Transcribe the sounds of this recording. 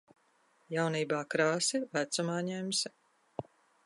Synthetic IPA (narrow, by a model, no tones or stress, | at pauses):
jawniːbaːkɾaːsivæt̪sumaːɲɛms